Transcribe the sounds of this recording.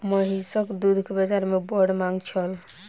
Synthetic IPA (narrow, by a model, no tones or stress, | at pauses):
məɦisəkd̪ud̪ʱkebəd͡ʒaɾmebɔɾɖmaŋɡt͡ʃʰəl